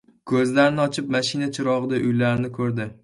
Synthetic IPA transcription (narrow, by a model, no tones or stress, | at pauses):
kʰɵzlaɾɪnɪɒt͡ʃʰɪp̚maʃɪnat͡ʃʰɪɾɒʁɨd̪aʔʊjlaɾɪnɪkʰɵɾd̪ɪ